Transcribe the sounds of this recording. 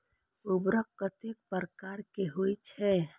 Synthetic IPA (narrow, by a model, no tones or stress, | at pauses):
ʊbɾək̚kət̪ek̚pəɾkaɾkeɦoit͡ʃʰɛ